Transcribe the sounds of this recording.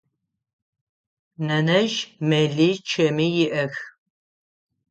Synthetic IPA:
nɐnɐʒmɛɮit͡ʃʰɐmijɪʔɐx

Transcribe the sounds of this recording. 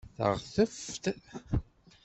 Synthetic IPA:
θə̰ʁθəft̪

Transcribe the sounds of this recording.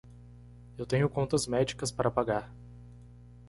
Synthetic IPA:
ewt̪ẽɲʊkõnt̪ɐzmɛd͡ʒikɐspaɾʔɐpaɡaɾ

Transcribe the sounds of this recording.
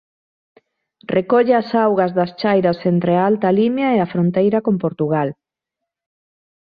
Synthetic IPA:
rʔekɔʎeasawɣɐzðɐst͡ʃajɾɐsent̪ɾeaalt̪ɐlimjɐeafɾont̪ejɾɐkompoɾt̪uɣal

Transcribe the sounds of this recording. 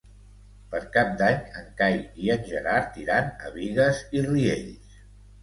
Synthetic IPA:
pəɾkap̚d̪aɲəŋkajiənʲʒəɾaɾt̪iɾanə̰βiɣəziriḛʎs

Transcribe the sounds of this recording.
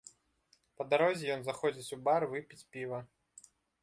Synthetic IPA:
pɐd̪aɾɔzʲijɔnzaxɔd͡zʲit͡sʲubarvɨpʲit͡sʲpʲivɐ

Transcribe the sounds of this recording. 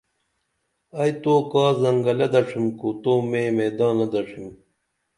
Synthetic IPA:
ɐjt̪oːkaːzɐŋɡɐlɐd̪ɐʂimkot̪oːmemeːd̪aːnɐd̪ɐʂim

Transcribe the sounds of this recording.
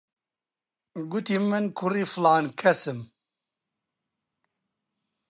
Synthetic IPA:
ɡʊt̪iːmɨnkʰʊriːflaːnkʰɛsɨm

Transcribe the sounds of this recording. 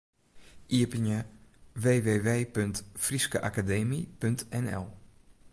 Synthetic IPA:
ʔiəpənəʋeːʋeːʋeːpøntfriskəʔakadeːmipøntɛnɛ̰lˠ

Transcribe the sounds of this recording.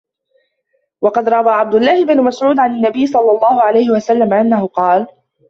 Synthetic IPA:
wɑqɑd̪ɾˤɑbaːʕab̚d̪ʊlːaːhɪbnʊmasʕuːd̪ʕananːabɪjːsˤɑlːɑlˤːɑːhʊʕalajhɪwasalːamaʔanːahʊqɑːl

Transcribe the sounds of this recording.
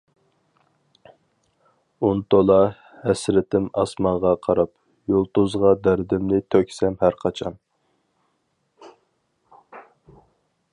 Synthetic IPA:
unt̪ʰolˠɑ | hɛsɾɪt̪ʰɪmɑsmɑɴʁɑqʰɑɾɑp | jolˠt̪uzʁɑd̪æɾd̪ɪmnɪt̪ʰøkʲsɛmhæɾqʰɑt͡ʃʰɑn

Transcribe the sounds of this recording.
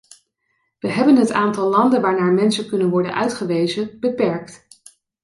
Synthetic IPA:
ʋəɦɛbənɦətaːntɑlˠlɑndənʋaːɹnaːɹmɛnsənkɵnənʋɔɹdə̰nʔœ̰ɥtχəʋejzənb̥əpɛɹkt

